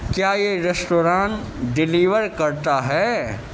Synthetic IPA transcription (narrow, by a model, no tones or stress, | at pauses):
kjaːjeɾesʈoːɾãːn | ɖɪliːʋəɾkɐɾt̪aɦɛː